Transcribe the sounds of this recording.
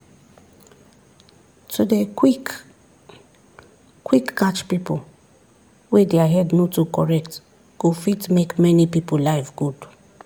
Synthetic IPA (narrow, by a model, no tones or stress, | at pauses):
tʰudek | kwikːat͡ʃpipol | wedeaɦɛdnotukɔɹɛk̚t | ɡ̥ofitmekmɛnipipolaɪfɡud